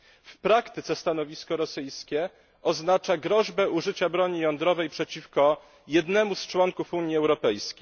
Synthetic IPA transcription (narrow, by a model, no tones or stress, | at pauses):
fpɾakt̪ɘt̪sɛst̪anɔvʲiskɔɾɔsɘjskʲɛ | ʔɔznat͡ʂaɡɾɔʑbɛuʐɘt͡ɕabɾɔɲijɔnd̪ɾɔvɛjpʂɛt͡ɕifkɔ | jɛd̪nɛmust͡ʂwɔŋkufuɲjiɛwɾɔpɛjskʲej